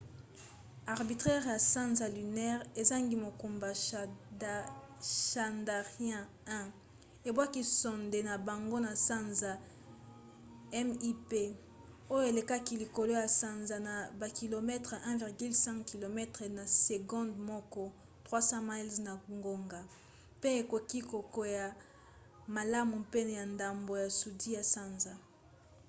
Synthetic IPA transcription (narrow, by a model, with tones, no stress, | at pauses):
a˨ʁbi˨tχɛ˦ʁja˨sã˦nza˨ly˨nɛ˦ʁe˨za˦ŋɡi˦mo˨ku˨mba˨ | ʃa˨nda˨ʁjɛ̃˦ | ɛ̃˦ | e˨bwa˦ki˦sɔ˨nde˨na˨ba˨ŋɡo˦na˨sã˦nza˨ | ɛ˦mi˦pe˦ | o˦jo˦e˨le˨ka˦ki˦li˨ko˨lo˦ja˨sa˦nza˨na˨ba˨ki˨lo˨mɛ˦tʁe˨ʔɛ̃˦vi˨ʁɡy˦lsɛ̃˦ŋkki˨lo˨mɛ˦tʁɛ˨na˨se˨ɡɔ̃˦ndmɔ˦kɔ˦ | tʁwa˦sã˦ma˦i˦lzna˨ŋɡo˦ŋɡa˨ | pe˦e˨ko˨ki˦ko˨ko˨ja˨ | ma˨la˦mu˨pe˦n˨ja˨nda˨mbo˨ja˨su˨di˦ja˨sa˦nza˨